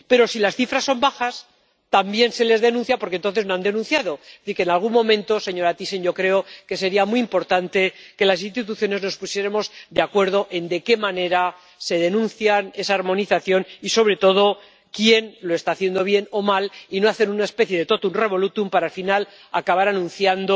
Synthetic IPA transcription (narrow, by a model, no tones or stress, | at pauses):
pe̞ɾo̞silasθifɾasːo̞mbaxas | t̪ambje̞nse̞le̞zðe̞nũnθjapo̞ɾk̬ent̪onθezno̞and̪e̞nũnθjaðo̞θiɾkenalɣ̞unmõ̞mẽnt̪o̞se̞ɲo̞ɾat̪ise̞nʝo̞kɾe̞oke̞se̞ɾiamuiimpo̞ɾt̪ant̪e̞ke̞lasinst̪it̪uθjo̞ne̞zno̞spusje̞ɾemo̞zd̪eakwe̞ɾð̞o̞ʔe̞nd̪e̞ke̞mane̞ɾa | se̞ðe̞nũnθjane̞saːɾmõ̞niθaθjo̞niso̞βɾe̞t̪o̞ð̞o̞ | kje̞nlo̞e̞st̪aːθjend̪o̞β̞je̞no̞malinoaθe̞nunaespe̞θje̞ðe̞t̪o̞t̪unre̞βo̞lut̪umpaɾalfinal | akaβaɾanũnθjand̪o